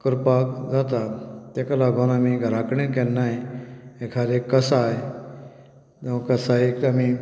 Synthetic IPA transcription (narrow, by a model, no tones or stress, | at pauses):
kəɾpakd͡zat̪at̪ekalaɡʱonamiɡʱəɾakɳẽkẽnːaiekʰad̪ekːəsaj | t̪ẽkəsaiami